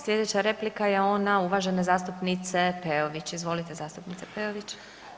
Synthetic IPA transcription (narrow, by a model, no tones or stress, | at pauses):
slʲje̞d̪et͡ɕaɾe̞plikaje̞o̞nauʋaʒenezaːst̪upnit̪se̞peoʋit͡ɕizʋo̞lit̪e̞zaːst̪upnit̪sepeoʋit͡ɕ